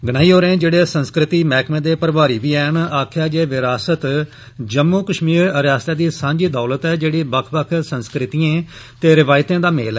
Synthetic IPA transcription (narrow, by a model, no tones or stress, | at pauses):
ɡəɽ̃aːiːoːɾẽːd͡ʒeːɽeːsənskɾɪt̪iːmɛːkʰmẽːd̪eːpəɾʋaːɾiːʋiːɛːnaːkʰjaːd͡ʒeːʋɪɾaːsət̪ | d͡ʒəmːuːkəʃmiːɾɾjaːst̪aːd̪iːsãːɲd͡ʒiːd̪aːlət̪ɛːd͡ʒeːɽiːbəkʰbəkʰsə̃nskɾɪt̪ijãː | t̪eːɾɪʋaːɪt̪ẽːd̪aːmḛːlɛː